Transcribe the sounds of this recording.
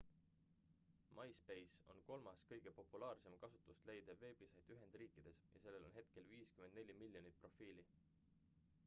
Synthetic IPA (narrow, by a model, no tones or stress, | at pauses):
mʔɑjspe̞jso̞̰nko̞lmɑskɤjɡ̥e̞po̞pːˑulɑːrse̞mkɑsut̪ːˑust̪le̞jd̪̥eve̞ːb̥isɑjd̪̥yɦe̞nd̪̥riːkˑid̪̥e̞sjɑ̰se̞lːe̞lo̞nɦe̞t̪ke̞lviːskymend̪ne̞lʲimilʲjo̞nipro̞fiːli